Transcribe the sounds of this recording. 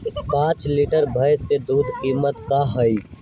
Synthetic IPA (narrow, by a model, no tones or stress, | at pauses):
pãːt͡ʃliʈəɾbʱəɪsked̪uːd̪ʱkiːmət̪kaɦəi